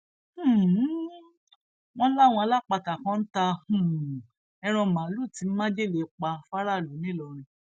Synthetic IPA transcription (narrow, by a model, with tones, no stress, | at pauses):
h̩˦˨˦ | w̃ɔ̃˦la˦˨w̃ɔ̃˧a˧la˦˨k͡pa˧ta˨kã˧˦n̩˦ta˧hũ˨ | ɛ˧ɾ̃ɔ̃˧mã˨˦lu˦˨ti˨˧˦m̩˦mã˦d͡ʒe˦˨le˧˨k͡pa˧fa˦ɾa˦˨lu˨˦nĩ˦lɔ˧ɾ̃ĩ˧